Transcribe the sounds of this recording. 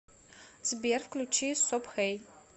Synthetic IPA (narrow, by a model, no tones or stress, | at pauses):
zbiɛrfklʲut͡ʃʰisɔpxej